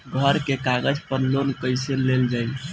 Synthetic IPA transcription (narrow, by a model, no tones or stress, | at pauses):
ɡʱəɾkekaɡəd͡ʒpəɾlonkəjseleld͡ʒaj